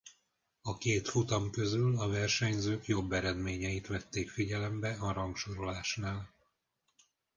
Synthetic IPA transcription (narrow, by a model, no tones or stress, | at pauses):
ɒkeːt̪fut̪ɒmkø̞zylɒvɛrʃɛɲzøːkjo̞bːɛɾɛd̪meːɲɛjit̪ʋɛt̪ːeːkfiɟɛlɛmbɛɒɾɒŋkʃoɾo̞laːʃnaːl